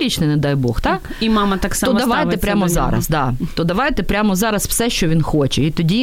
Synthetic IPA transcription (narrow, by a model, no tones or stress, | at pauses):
it͡ʃnɪnɛd̪ɑjbɔxt̪ɑk | imɑmɐtt̪aksɔmd̪ɐʋɑaj̪ɛppɾʲamɔzɑ̰ɾɐ̰sd̪ɑt̪ɔd̪ɐʋɑjt̪ɛpɾʲamɔzɑɾɐsw̥sɛʃt͡ʃɔʋʲinxot͡ʃɛit̪ɔdʲi